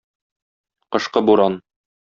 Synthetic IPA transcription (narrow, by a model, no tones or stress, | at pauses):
qɤ̆ʃqɤbuɾɑn